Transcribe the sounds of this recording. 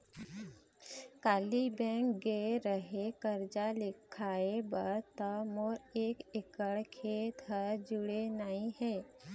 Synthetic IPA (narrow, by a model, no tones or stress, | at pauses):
kaːlibɛ̃ːŋk̚ɡeɾəɦekəɾd͡ʒalɪkʰaːebəɾt̪əmoːɾeːkɪkəɭkʰet̪ɦəɾd͡ʒʊɽenəɦĩɦɛː